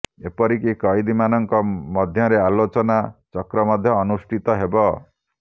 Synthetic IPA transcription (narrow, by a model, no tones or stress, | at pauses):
epɔɾikikɔjd̪imanʌŋkɔmʌd̪ʱjʌɾealot͡ʃɔnat͡ʃʌkɾɔmʌd̪ʱjɔːnusʈʰit̪ɔɦebɔ